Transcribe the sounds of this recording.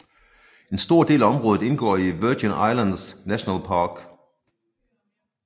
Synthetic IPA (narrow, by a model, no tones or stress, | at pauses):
e̝nsd̥o̝ɐ̰d̥e̝̰ːlæɒ̽mʁɔðð̩ˠe̝nɡ̥ɒ̰ːiʋøɡ̥inɑɪlændsnæɕonælpʰɑ̈ːɡ̥